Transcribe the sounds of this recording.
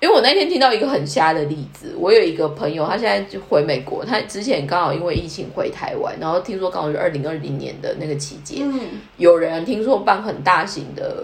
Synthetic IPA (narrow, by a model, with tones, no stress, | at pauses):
i˥we˥˩wɔ˨˩n˥˩t̪jɛ˥nt̪ʰi˥ŋt̪ɑ˥˩ʊi˧˥ɡə˧xə˨˩nɕja˥˧d̪ə˨li˥˩d͡zɹ̩˨˩wʔɔ˧˦˥jo˨˩ʊi˧˥ɡə˧pʰə˧˥ŋjo˨ʊt̪ʰa˥ɕjɛ˥˧na˥˩ɪxwe˧˥ɪme˨˩ɪkwɔ̰˧˦t̪ʰa˥ʈ͡ʂɻ̩˥t͡ɕʰjɛ˧˦nkɑ˥ŋxʊi˧˥nwe˥˧ɪi˥˩t͡ɕʰi˧˥ŋxwe˧˥ɪt̪ʰa˧˥ɪwa̰˧˦nːa˧˦nxo˥˩ʊt̪ʰi˥ŋs̬wɔ˥kɑ˥ŋ˨˩y˥ʔə̰˥˩li˧˥ŋə˥˧˩li˧˥ŋnjɛ̰˧˦nd̪ə̰˨na˥˩ɡə˩t͡ɕʰi˧˥t͡ɕjɛ̰˥˦n | jo˨˩ʊɻə˧˦nt̪ʰi˥ŋswɔ˥pa˥˧˩nxə˨˩nt̪a˥˩ɕḭ˧˥ŋd̪ə̰˧˦